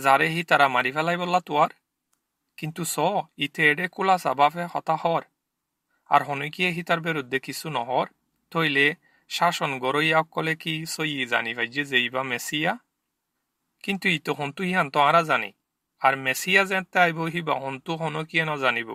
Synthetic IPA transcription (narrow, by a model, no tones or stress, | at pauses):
zaɾɛɦit̪aɾamaɾifɛlajbɔlːat̪uaɾ | kint̪usɔit̪eːɽɛkulasa̰bafɛhɔ̰t̪ahɔɾ | a̰ɾɦɔnokijaɦit̪aɾbiɾud̪ːekisunɔ̰ɦɔɾ | t̪oile | ʃaʃɔnɡɔɾojaɔkːɔlekisojiza̰nifʰajd͡ʒezeibamɛsija | kint̪uit̪eɦɔnt̪uiɦant̪ɔãɾazanḭ | aɾmɛsijazɛt̪ːɛajboɦiba̰ɦɔnt̪uɦɔnokijanɔzanibɔ̰